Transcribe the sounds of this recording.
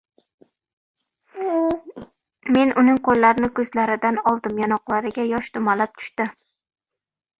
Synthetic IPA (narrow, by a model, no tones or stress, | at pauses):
me̞nʔʊnɪŋqʰolːaɾnɪkʲʰɵzlaɾɪd̪anɒlˠd̪ɪmjanɒqlˠaɾɪɡʲajɒʃt̪ʊmalap̚t̪ʰʊ̥ʃt̪ɪ